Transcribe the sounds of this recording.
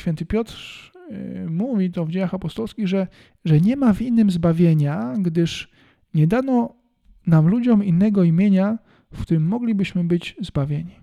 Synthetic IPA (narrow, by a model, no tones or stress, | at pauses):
fʲɛnt̪ɘpʲjɔt̪ɾ | muvʲit̪ɔvd͡ʑejaxapɔst̪ɔlskʲiɣʐɛ | ʐɛɲɛmavinːɘmzbavʲjeɲaɡd̪ɘʂ | ɲɛd̪anɔ | namlud͡ʑɔminːɛɡɔimʲjeɲa | fkt̪uɾɘmːɔɡlʲibɘɕmɘbɘd͡ʑzbavʲjeɲi